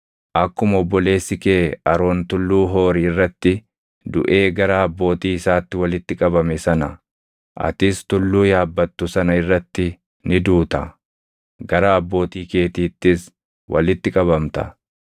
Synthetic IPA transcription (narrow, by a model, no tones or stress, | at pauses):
ʔɐkːʊmɔbːɔle̞ːsːɪkeːɐɾo̞ːnt̪ʊlːuːɦo̞ːɾiːɪrːɐt̪ːɪ | d̪ʊ̰ʔe̞ːɡɐɾaɐbːo̞ːt̪iːɪsaːt̪ːɪwɐlɪt̪ːɪkʼɐbɐmɛsɐnɐ | ʔɐ̰t̪ɪst̪ʊlːuːjaːbːɐt̪ːʊsɐnɐɪrːɐt̪ːɪ | nɪd̪uːt̪ɐ | ɡɐɾɐɐbːo̞ːt̪iːke̞ːt̪iːt̪ːɪs | wʔɐ̰lɪt̪ːɪkʼɐβɐmt̪ɐ̰